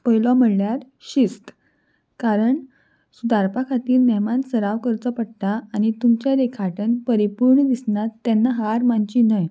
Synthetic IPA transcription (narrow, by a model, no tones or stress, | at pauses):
pəjlɔməɽljaɾ | ɕist̪ | kaɾəɳ | sud̪aɾpakʰat̪iːɾnɛmãnsəɾaʋkəɾt͡səpəɽt̪aːñit̪umt͡ɕaɾekʰaʈʰənpəɾipuɾɳəd̪isnat̪ːɛnːaɦaɾmaɲt͡ɕinəj